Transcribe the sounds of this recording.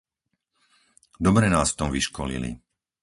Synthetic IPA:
d̪ɔbɾɛnaːsft̪ɔmʋiʃkɔlḭlḭ

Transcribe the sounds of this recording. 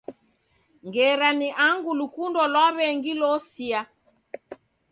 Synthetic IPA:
ŋɡɛɾaniʔaŋɡulukundɔlwaβɛŋɡilɔsia

